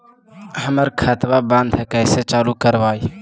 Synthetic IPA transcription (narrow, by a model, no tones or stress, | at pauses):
ɦəməɾkʰət̪baːband̪ʱkəjset͡ʃaːluːkəɾʋaːi